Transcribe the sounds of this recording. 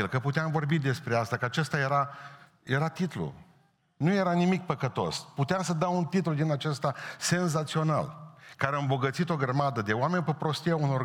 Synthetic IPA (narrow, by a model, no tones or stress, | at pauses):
ilkəput̪eamvo̞rbid̪e̞spɾe̞ast̪akəat͡ʃe̞st̪aje̞ɾa | je̞ɾat̪it̪lṵ | nuje̞ɾanimik̚pəkət̪o̞̰sput̪eamsəd̪awunt̪it̪lud̪inat͡ʃest̪ase̞nzat̪sio̞na̰lkaɾeaɨmbo̞ɡət̪sit̪o̞ɡɾəmad̪əd̪e̞oame̞nʲpepɾo̞st̪iauno̞r